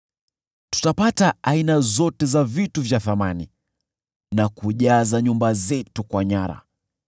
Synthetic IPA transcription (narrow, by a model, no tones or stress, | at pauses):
tu̥tapataːinazɔtɛzavituvjaθamani | nakuʄazaɲumbazɛtukwaɲaɾa̰